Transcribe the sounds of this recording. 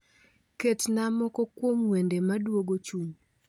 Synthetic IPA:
ketnamɔkɔkwomwendemadwoɡot͡ʃuɲ

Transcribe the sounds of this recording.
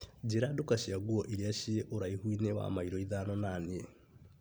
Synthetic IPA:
d͡ʒeɾadokaʃiaɡwɔʔiɾiaʃieʔoɾaihwinewa̰maiɾɔiðanɔnanie

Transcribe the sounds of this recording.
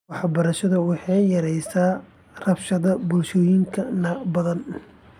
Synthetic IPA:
wɑħbɐɾɐʃɐðɐwɑħɑjjɐɾɛjsaː | rɐbʃɐðɐbʊlʃɔːjɪŋkʰɐnɐbɐðɐn

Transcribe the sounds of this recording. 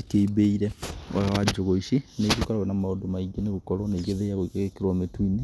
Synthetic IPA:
ikeibeiɾɛaawad͡ʒoɣoiʃined͡ʒokaɾaenamaodomaiɡeneɣokɔɾoneiɣeðeaɣoikeɣekeɾwametuine

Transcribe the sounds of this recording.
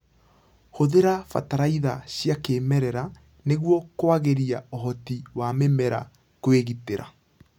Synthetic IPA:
hoðeɾafa̰taɾaiðaɕjakeːmɛɾɛɾa | neɣwɔkwaɣeɾiaoɦɔtiwamemɛɾa̰ | kweɣiteɾa̰

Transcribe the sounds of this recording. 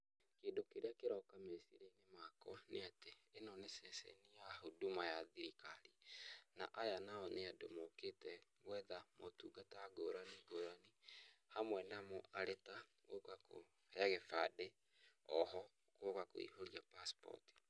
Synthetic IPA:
keːdokeɾeakeɾɔkamesiɾeinemakɔneateːnɔnesɛsɛ̰nijahodumajaðiɾikaɾina̰ʔajanaɔneadomoketɛɣwɛðamotuːɡataaɡoɾaniɡoɾanihamwɛnamɔaɾetaɣokako̰ | haɣɛfade | ɔhɔ | kokako̰ḭhoɾiapaspɔ̰ti̥

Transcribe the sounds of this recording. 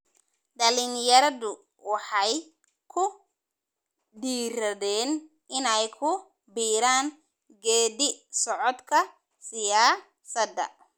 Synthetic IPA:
ɖɐlɪnjɐɾɐðʊ | wɑħɑj | kʰʊ | ɖiːɾɐðɛːn | ɪnɛjkʰʊ | biːɾaːn | ɡɛːdɪsɔʕɔd̪kʰɐ | sɪjaː | sɐd̪ɐ̰

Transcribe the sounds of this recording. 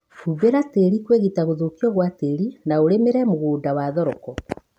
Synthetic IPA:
huβeɾateɾikweɣitaɣoðokiɔɣwateɾinaoɾemeɾɛmoɣoːdawaðɔɾɔkɔ

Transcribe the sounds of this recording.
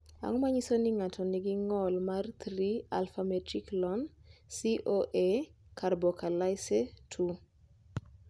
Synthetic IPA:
a̰ŋɔmaɲisonɪŋatʰɔnɪɡɪŋɔlmart̪ɾia̰lfamɛtɾiklɔnsiʔoʔekʰarbɔkalajsetʰu

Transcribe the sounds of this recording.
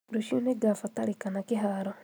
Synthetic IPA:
ɾuʃuneɡafataɾikanakiɦaɾo

